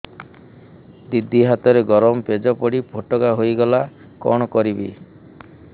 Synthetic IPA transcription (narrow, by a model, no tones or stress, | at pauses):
d̪id̪ʱːiɦat̪ɔɾeɡɔɾɔmɔped͡ʒɔpɔɽipʰoʈɔkaɦojɡɔla | kɔ̰ɽ̃ɔkɔɾibi